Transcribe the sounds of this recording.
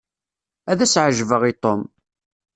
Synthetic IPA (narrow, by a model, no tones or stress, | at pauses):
æðæsʕəʒvəʁit̪ˤom